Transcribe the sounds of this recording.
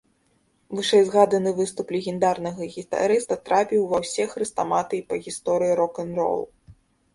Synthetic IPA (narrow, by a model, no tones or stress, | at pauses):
vɨʂɛjzɣad̪ɐnɨvɨst̪uplʲɛɣʲɛnd̪arnɐɣɐɣʲit̪a̰ɾɨst̪ɐt̪ɾapʲiwvɐwsʲɛxrɨst̪amat̪ɨipɐɣʲist̪ɔɾɨjiɾɔkɐnrɔ̰lˠ